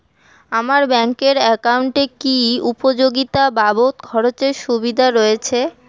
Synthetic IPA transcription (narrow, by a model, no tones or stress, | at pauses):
amaɾbɛŋkeɾɛkauɳʈekiupod͡ʑoɡit̪ababot̪kʰɔɾot͡ɕeɾʃubid̪ʱaɾɔjet͡ɕʰe